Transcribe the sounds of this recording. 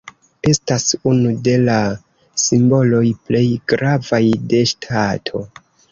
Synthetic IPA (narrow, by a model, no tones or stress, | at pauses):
e̞stasunude̞la | simbo̞lo̞jple̞jɡ̥ɾavajde̞ʃtʰatʰo̞